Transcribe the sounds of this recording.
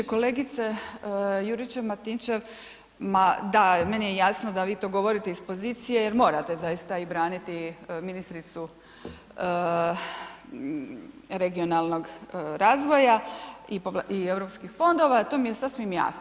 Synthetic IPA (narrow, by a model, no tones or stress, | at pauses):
ko̞le̞ːɡit̪se̞ | juɾit͡ʃeʋmat̪int͡ʃe̞ʋ | mad̪ame̞nijejaːsnod̪aʋiːt̪o̞ːɡo̞ʋo̞ɾit̪eispo̞ziːt̪sije̞je̞ɾmo̞ːɾat̪e̞zajist̪aibɾaːnit̪iminist̪ɾit̪su | ə | ɾe̞ɡio̞nalˠnoɡɾaːzʋo̞jaipoie̞ʋɾo̞pskixfo̞nd̪o̞ʋat̪o̞ːmijesasʋimja̰ːsno